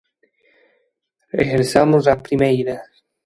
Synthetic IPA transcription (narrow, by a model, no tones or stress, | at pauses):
ḛxeɾsamʊzapɾimejɾɐ